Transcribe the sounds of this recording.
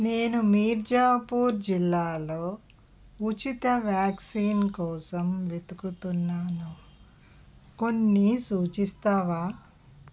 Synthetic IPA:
ne̞ːnumiːɾd͡ʒaːpuːɾd͡ʒilːaːlo̞ː | ut͡ʃit̪ɐʋjaːksiːnkɔːsɐmʋet̪ukut̪unːaːnu | ko̞nːisuːt͡ʃist̪aːʋaː

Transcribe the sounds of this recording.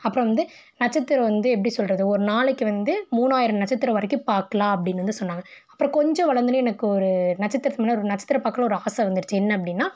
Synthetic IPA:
ɐpːɯɾɔ̃ʋɐnd̪ɯ | nɐt͡ʃːɐt̪ːɪɾɐ̃ʋɐnd̪ɯɛpːɐɽisɔlrɐðɯɔɾɯnaːɭɯkːɯʋɐnd̪ɯmuːnaːjɪɾɐnɐt͡ʃːɐt̪ːɪɾɐʋɐɾɐkːɯpaːɾkːɐlaːɐp̬ːɐɽɪnːɾɐnd̪ɯsɔnːaːŋɡɐɐ̥pːɯɾɔ̃kɔɲd͡ʒɔ̃ʋɐɭɐɾnd̪ɯnɯ̃ɛnɐkːɯɔɾɯnɐt͡ʃːɐt̪ːɪɾɐt̪ɐmːnɐɔɾɯnɐt͡ʃːɐ̥t̪ːɪɾɐpːaːkːɐlɐɔɾɯaːsɐʋɐnd̪ɯɾɯt͡ʃːɯɛnːɐɐp̬ːɐɽɪnːaː

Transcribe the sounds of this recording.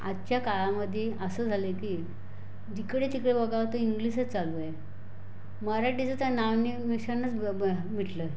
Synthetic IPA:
a̰t͡ɕjakaɭaməd̪ʱjeʔəsəːd͡zʱalekiː | d͡ʑ̪ikɽet̪ikɽebəɡaʋt̪əiŋɡliset͡salʋəe | məɾaʈit͡sət̪janaʋnimiɕanːət͡smiʈlə

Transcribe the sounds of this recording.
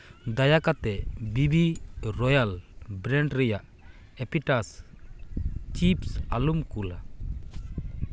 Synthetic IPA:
d̪ajakat̪ɛbibiɾɔjalbɾɛɳʈɾɛjaʔ | ɛpiʈas | t͡ʃipsalumkula̰

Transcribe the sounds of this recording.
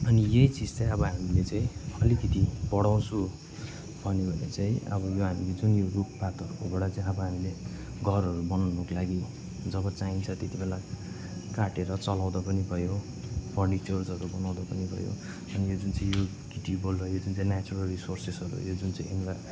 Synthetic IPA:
ʌnijeit͡sid͡zt͡saj̃ʌbʌɦamilet͡saĩʌlikʌt̪ibʌɽaw̃t͡sʰu | bʱʌnebʱʌnḛt͡saĩʌ̰bʌjoɦamiled͡zunjoruppat̪ʌrukoboɽat͡saĩʌbʌɦamile | ɡʱʌrʌɾubʌnanokolaɡi | d͡zʌbʌt͡saɦint͡sʰʌt̪et̪ibela | kaʈeɾʌt͡sʌlaw̃d̪ʌpʌnibʱʌjo | pʰʌrɖit͡ʃʌrsʌɾubʌnaw̃d̪apʌnibʱʌ̰jo̰ | ʌnijod͡zunt͡saĩjo | ɡiʈibolːʌjod͡zunt͡saĩnat͡suɾʌlrisorsesʌɾṵjod͡zunt͡saĩemla

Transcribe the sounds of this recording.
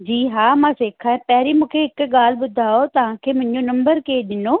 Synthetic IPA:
d͡ʒiːɦaːmãːseːkʰaːɛːpɛːɾiːmʊ̃ːkʰeɪkɡaːlbʊd̪ʱaːoːt̪aãːkemʊ̃ɲd͡ʒõːnəmbəɾkeːd̪ɪnoː

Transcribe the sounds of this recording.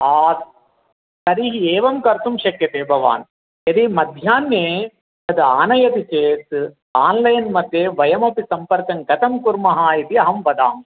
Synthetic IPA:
aː | sɐɾiːɦieːʋɐmkɐɾt̪umʃɐkjɐt̪eːbʱɐʋa̰ːn | ɐd̪imɐd̪ʱjaːnːeː | ɐd̪ɨaːnɐjɐt̪it͡ʃeːt̪ | aːnlɐjɐnmɐt̪ːeːʋɐjɐmɐpisɐmpɐɾkɐŋɡɐt̪ɐmkuɾmɐɦaːit̪iɐɦɐmʋɐd̪aːm

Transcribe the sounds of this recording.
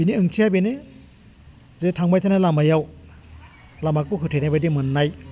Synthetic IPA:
biniɯŋtʰiajbene | zetʰaŋbajtʰanalamajaw | lamakːukʰɯtʰenajbajdimɯnːaj

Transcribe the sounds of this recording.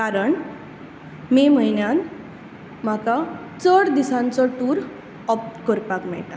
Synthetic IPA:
kaɾəɳ | mem̤əɦinjãn | m̤aka | t͡səɽd̪isãnt͡sɔʈuːɾ | ɔpkɔɾpakmɛ̰ɭʈa̰

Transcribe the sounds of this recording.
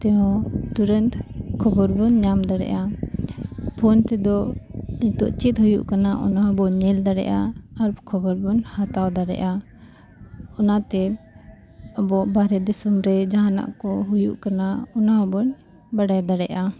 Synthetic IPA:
t̪ɛɦɔ̃t̪uɾənt̪kʰɔbɔɾbɔnɲamd̪aɽɛ̰ʔa | pʰɔnt̪ɛd̪ɔiɲt̪ɔʔt͡ʃit̪̚hujṵʔkanaʔɔnaɦɔbɔɲɛld̪aɽɛ̰ʔaːɾkʰɔbɔɾbɔnhat̪awd̪aɽɛ̰ʔa | ɔnat̪ɛ | əbɔʔbaɾɛd̪isɔmɾɛd͡ʒaɦana̰ʔkɔɦujṵʔkanaɔnaɦɔbɔn | baɽajd̪aɽɛʔa

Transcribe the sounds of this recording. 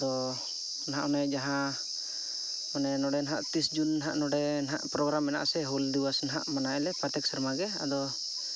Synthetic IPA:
d̪ɔ | nɦãʔɔnɛd͡ʒaɦã | ɔnɛnɔɖɛnɦa̰ʔt̪isd͡ʒunːɦaʔnɔɖɛnɦa̰ʔpɾɔɡɾamɛna̰ʔsɛɦɔld̪iwasnaɦa̰ʔmanaɛlɛpat̪ɛk̚səɾmaɡɛa̰d̪ɔ

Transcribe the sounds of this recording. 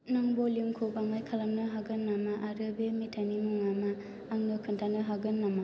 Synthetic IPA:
nɯŋboljuŋkʰobamajkʰalamnɯɦaɡɯnːamaʔaɾɯbemitʰanimuŋamaː | ŋnɯkʰɯntʰanɯɦaɡɯnːama

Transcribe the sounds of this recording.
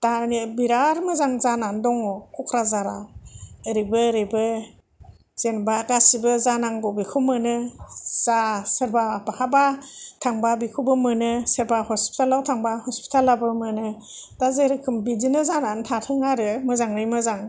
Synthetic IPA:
tanibiɾaɾmɯzaŋzanandɔŋɔkʰɔkʰɾazaɾa̰ɯɾibɯɾibɯ | z̥enbakasibɯzanaŋɡɔbikʰumɯnɯzasɯɾbabakʰabatʰaŋbabikʰubɯmɯnɯsɯɾbahɔspʰi̥tʰalawtʰaŋbahɔspʰi̥tʰalabɯmɯnɯ | dazɯɾɯkʰɯmbidinɯzanantʰatʰɯŋaɾɯmɯzaŋɾimɯzaŋ

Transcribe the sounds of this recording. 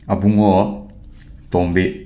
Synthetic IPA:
abuŋɔ | t̪ɔmbe

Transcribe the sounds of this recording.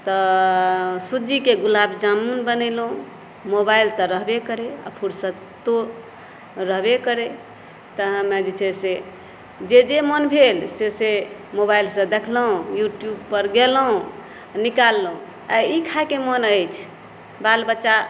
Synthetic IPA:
t̪ɔ | sud͡ʒikeɡulabd͡ʒamunbənɛlɦũ | mobailt̪əɾəɦbekəɾea̰pʰuɾsə̃ | t̪o | ɾəɦbekəɾe | t̪əɦəmed͡ʒet͡ʃʰese | d͡ʒed͡ʒemənbʱelsesemobailsə̃d̪ekʰləɦũjuʈjub̚pəɾɡelɦũ | nikalːɦũ | aikʰakemənəjt͡ʃʰ | balbətːʃa

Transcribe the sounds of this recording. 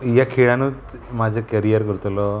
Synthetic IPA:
jakʰeɭanut͡smad͡ʑʱəkəɾijəɾkəɾt̪lɔ

